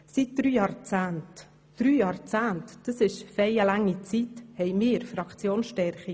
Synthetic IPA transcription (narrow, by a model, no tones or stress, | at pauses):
sit̚d̪̥ɾyːjɑːɾt͡sæːnt | d̥ɾyːjɑːɾt͡sæːntd̥əsɪʃfɛɪəlɑŋːit͡sithɛɪmɪːɪɾfɾɑkt͡sjoːnsʃtɛɾχi